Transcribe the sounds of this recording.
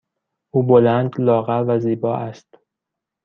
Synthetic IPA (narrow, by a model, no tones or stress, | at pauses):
ʔuːbolænd̪lɒːɣævæziːbɒːʔæst̪